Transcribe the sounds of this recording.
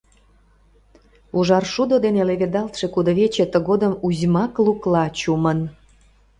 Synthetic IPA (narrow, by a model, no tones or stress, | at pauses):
uʒɑrʃud̪od̪eneleβed̪ɑlt̪ʃe̽kud̪oβet͡ɕet̪əɣod̪əmuzʲmɑkluklɑt͡ɕumən